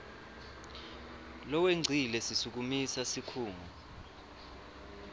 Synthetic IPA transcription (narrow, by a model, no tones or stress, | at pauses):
lɔweŋ͡ǀʱilɛsisuk̬umisasikʰuːŋɔ